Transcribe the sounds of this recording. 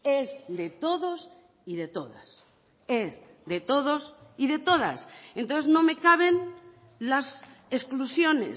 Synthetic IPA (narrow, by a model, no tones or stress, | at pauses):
ezðe̞t̪o̞ðos | iðe̞t̪o̞ða̰s | ez | ðe̞t̪o̞ðo̞siðe̞t̪o̞ð̞a̰sent̪onθe̞zno̞me̞kaβ̞e̞n | lasesklusjo̞nḛs